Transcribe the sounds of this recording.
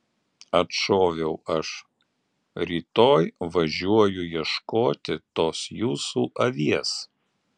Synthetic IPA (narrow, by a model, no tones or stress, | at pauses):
ɐt̪ʃoːʋʲɛʊɐʃ | ɾʲiːt̪oːjʋɐʒʲuɔjʊjiɛʃkoːt̪ʲɪt̪oːsjuːsuːʔɐʋʲiɛs